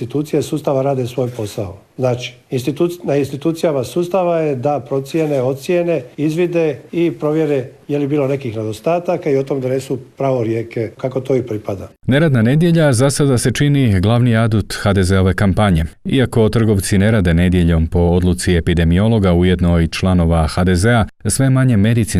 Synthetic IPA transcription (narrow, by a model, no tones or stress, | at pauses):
it̪uːt̪sijesuːst̪aʋaɾaːd̪esʋo̞ːjpo̞sao | znaːt͡ʃi̥ | inst̪it̪unainst̪it̪uːt̪sijamasuːst̪aʋajed̪apɾo̞t̪sjeneo̞t̪t̪sjeneizʋid̪eipɾo̞ʋjeɾejelibiːlˠo̞ne̞kixned̪ost̪aːt̪akaiot̪omd̪anesupɾaːʋoɾjeːkekakot̪o̞ipɾipad̪ane̞ɾad̪nane̞d̪je̞ʎazasad̪ase̞t͡ʃiniɡlˠaʋniad̪ut̪xad̪e̞zeo̞ʋe̞kampaɲe̞ḭako̞t̪r̩ɡo̞ʋt̪sine̞ɾaːd̪e̞ne̞d̪jeʎo̞mpo̞od̪lut̪sie̞pid̪e̞mio̞lˠo̞ɡauje̞d̪no̞it͡ʃlano̞ʋaxad̪e̞ze̞asʋe̞maɲe̞me̞d̪it̪si